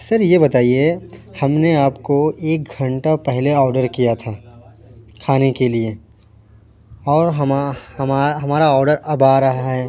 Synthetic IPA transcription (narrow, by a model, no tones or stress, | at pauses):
sɐɾjebɐt̪aːiehɐmneaːpkoeːk̚ɡʱɐ̃ɳʈapɛɦleɔːɾɖəɾkijat̪ʰaː | kʰaːnekelie | ɔːɾɦɐmɐmaɦɐmaːɾaɔːɾɖəɾɐbaːɾɐɦaɦɛ